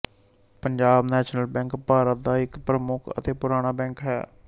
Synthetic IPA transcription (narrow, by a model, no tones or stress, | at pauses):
pəɲd͡ʒaːbnɛːʃnəlbɛ̃ːŋkpaːɾət̪̚d̪aːɪkpɾəmʊkʰə̰t̪eːpʊɾaːɽ̃aːbɛ̃ːŋkɦɛ̰ː